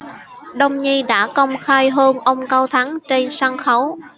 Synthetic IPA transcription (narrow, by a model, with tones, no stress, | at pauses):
ɗə˧wŋ͡mɲi˧ɗa̰ː˧˥kə˧wŋ͡mxaː˧jɦəː˧nʔə˧wŋ͡mkaː˧wt̪ʰa˨˦ŋt͡ɕe˧nsaː˧ŋxə˨˦w